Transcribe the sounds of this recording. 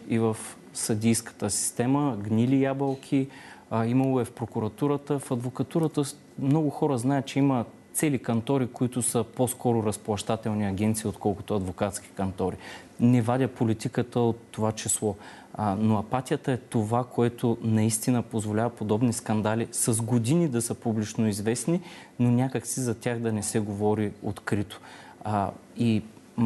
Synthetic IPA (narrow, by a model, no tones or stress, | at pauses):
ivəf | sɐd̪ʲijskə̥t̪əsi̥st̪ɛməɡnʲilijabəlˠkʲʰiimɐlˠoɛfpɾokʊɾɐt̪uɾət̪əfɐd̪vokɐt̪uɾət̪ə | mnɔɡʊxɔɾəznajət̪̚t͡ʃɛimət̪sɛlikɐnt̪ɔɾikoit̪ʊsəposkɔɾʊɾɐsplˠɐʃt̪at̪ɛlˠniɐɡʲɛnt̪siːot̪kɔlˠkʊ̥t̪ʊɐd̪vokat̪sk̟ʲi̥kɐnt̪ɔɾi | nɛvad̪ʲəpolit̪ikət̪əot̪ːovat͡ʃislˠɔ | noɐpat̪ʲiət̪əɛt̪ovakoɛt̪onɐist̪inəpozvolʲavɐpod̪ɔbniskɐnd̪alisɐzɡod̪inid̪ɐsəpublit͡ʃnoizvɛsninonʲakək̪sizɐt̪ʲaɣd̪ɐnɛsɛɡovɔɾio̰t̪kɾit̪o̥ | i